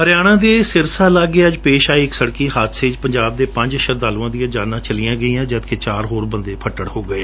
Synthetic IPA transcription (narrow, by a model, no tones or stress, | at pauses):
ɦəɾɪjaːɽ̃ãːd̪eːsɪɾsaːlaːɡeəd͡ʒpeːʃaːiːɪksəɽkiːɦaːt̪ʰseːd͡ʒpəɲd͡ʒaːb̚d̪eːpə̃ɲd͡ʒəʃəɾd̪aːluãːd̪ɪjãːd͡ʒaːnãːt͡ʃəlɪjãːɡəiːãːd͡ʒət̪keːt͡ʃaːɾɦoːɾbə̃nd̪eːpʰəʈːəɽhoːɡəeː